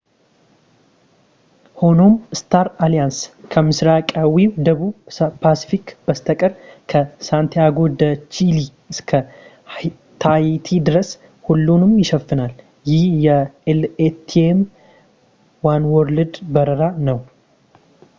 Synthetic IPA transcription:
ho̞no̞mst̪ʰaɾalijanskʰəmɨsɾakʼawiwd̪əβupʰasi̥fikb̥əst̪ʰəkʼəɾkʰəsant̪ʰiaɡod̪ət͡ʃili | ɨskʰə | t̪ʰajt̪ʰid̪ɨɾəs | hulːunɨmjɪʃɛfːɨnal | jɪhjɛɛlet̪ʰːiem | wanwɔɾlɨd̪bəɾəɾanəw

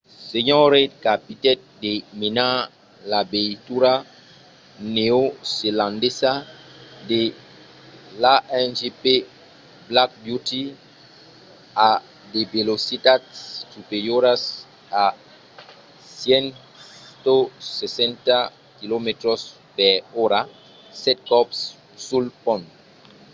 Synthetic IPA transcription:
seɲoɾekapit̪ɛt̪̚d̪emina | labet̪uɾa | neoselãnd̪esa | d̪e | laʔɛnʒepe | blak̚bjut̪i | a | d̪ebelosit̪at̪sːupeɾjoɾas | a | sjen | t̪osesẽnt̪a | kilomet̪ɾos | peɾoɾa | sɛt̪̚kɔps | sulpõnt̪

